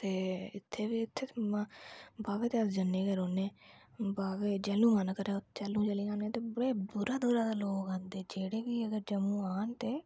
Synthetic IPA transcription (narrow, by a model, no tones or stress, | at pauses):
t̪eːɪt̪ʰːeːʋiːɪt̪ʰːeː | baːʋeːt̪eəsd͡ʒənːẽːɡəɾoːneːbaːʋeːd͡ʒɛlũːmankəɾẽt͡ʃɛlũːd͡ʒəlĩːãːnẽːt̪eːbəɽeːbʊɾaːd̪uːɾaːd̪aːloːkãːnd̪eːd͡ʒeːɽeːkiːəɡəɾd͡ʒəmũːaːnt̪eː